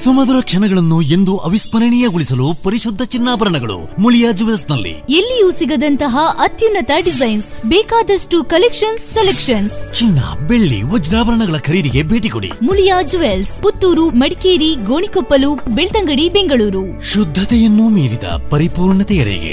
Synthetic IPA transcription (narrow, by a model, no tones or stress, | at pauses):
sumɐd̪uɾɐkʂɐnɐɡɐɭɐnːue̞nd̪uʔɐʋispɐɾɐɳijɐɡuɭisɐlupɐɾiʃud̪ʱːɐt͡ʃinːaːbɐɾɐɳɐɡɐɭṵ | muljaːd͡ʒuʋelsnɐlːḭelːijusiɡɐd̪ɐnt̪ɐɦɐʔɐt̪junːɐt̪ɐɖizɐjnsbɛːkaːd̪ɐsʈukɐlekʂɐnsːelekʂɐnst͡ʃinːɐ̰beɭːḭʋɔd͡ʒɾaːbɐɾɐɳɐɡɐɭɐkʰɐɾiːd̪iɡe̞bʱeːʈikoɽḭmuljaːd͡ʒuʋelsput̪ːuːɾumɐɽikeːɾiɡoːɳikopːɐlupbeɭt̪ɐŋɡɐɽibeŋɡɐɭuːɾu | ʃud̪ʱːɐt̪ɛjɐnːumiːɾid̪ɐ̰pɐɾipuːɾɳɐt̪ɛjɐɽɛ̰ɡḛ